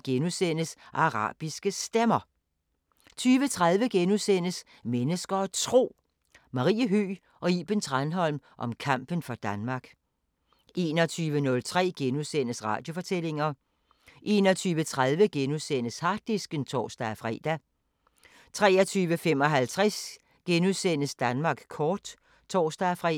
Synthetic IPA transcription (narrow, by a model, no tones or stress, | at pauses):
ɡ̥enusen̰əsʔɑ̈ʁɑ̰̈ːb̥isɡ̥əsd̥emɐ | t͡sʰyːʋət͡sʰʁað̞ˠʋəɡ̥enusen̰əs | menəsɡ̥ɐɒ̽t͡sʰʁo̝̰ː | mɑ̈ʁḭːəɦyː | ʔɒ̽iːb̥ənt͡sʰʁɑnɦɒ̽l̰mʔɒ̽mkʰɑ̈m̰b̥ən̩fɒ̽d̥ænmɑ̈ːɡ̥ | ʔe̝̰ːnɒt͡sʰyːʋənɔ̽lt͡sʰʁɛ̰ːɡ̥enuðˠsen̰əsʁɑ̰̈ːd̥jo̝fɒ̽t͡sʰel̰e̝ŋɐ | ʔe̝̰ːnɒt͡sʰyːʋət͡sʰʁaðˠʋəɡ̥enuðˠsenəshɑ̈ɡ̥̚d̥isɡ̥ənt͡sʰɒ̰ːsd̥ɑfʁɛ̰ːd̥æ | t͡sʰʁɛːɐt͡sʰyːʋəfem̰ɒ̽ɦælt͡sʰʁɛs | ɡ̥enuðˠsen̰əsd̥ænmɑ̈ːɡ̥kʰɒːd̥ | t͡sʰɒːsd̥ɑfʁɛ